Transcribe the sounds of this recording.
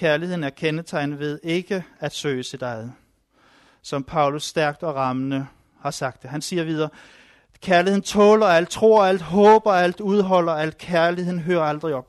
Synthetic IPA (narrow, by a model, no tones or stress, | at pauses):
kʰæɐlihe̝ð̰ˠn̩æɐkʰenət͡sʰɑ̈ɪnʋe̝ðˠe̝ɡ̥əæd̥sø̰ːsʰe̝d̥ɑ̈ɪ | sɒ̽mpʰɑ̈ʊlusːd̥æɐɡ̥̚d̥ɒ̽ʁɑ̈mənə | hɑ̈sɑ̈ɡ̥̚d̥eɦænsiːɐʋið̞ˠɐː | kʰæɐlihe̝ðˠn̩t͡sʰɔ̽ːlɐæl̰d̥̚t͡sʰʁo̝ɐ̰æl̰d̥ɦɔ̽ːb̥ɐæl̰d̥uð̞ˠɦɒ̽l̰ɐæl̰d̥kʰæɐlihe̝ð̰ˠn̩ɦøːɐɑld̥ʁiɒ̽b̥̚